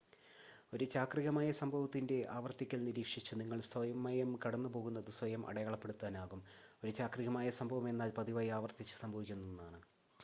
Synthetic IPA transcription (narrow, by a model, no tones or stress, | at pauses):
o̞ɾut͡ɕaːkriɣɐmaːjɐsɐmbʱɐʋɐt̪ːinde̞ʔaːʋɐrt̪ikʲːɐlniɾiːkʂit͡ɕːɨniŋːɐɭsʋɐjɐmɐjɐmkɐɽɐnːupo̞ːɣunːɐðɨsʋɐjɐmʔɐ̰ɽɐjaːɭɐpːe̞ɽut̪ːaːnaːɣumo̞ɾut͡ɕaːkriɣɐmaːjɐsɐmbʱɐʋɐme̞nːaːlpɐðiʋaːjiaːʋɐrt̪it͡ɕːɨ̥sɐmbʱɐʋikʲːunːunːaːɳɨ